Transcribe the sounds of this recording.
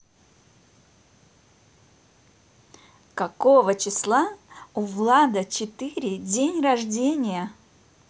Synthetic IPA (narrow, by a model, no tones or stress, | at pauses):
kɐkovət͡ɕɪslˠaʊvlˠad̪ət͡ɕɪt̪ɨɾʲɪdʲenʲrɐʐdʲenʲɪjə